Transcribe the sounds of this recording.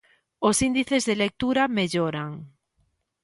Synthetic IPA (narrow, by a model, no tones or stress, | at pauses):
osind̪iθezðelek̚t̪uɾameʎoɾaŋ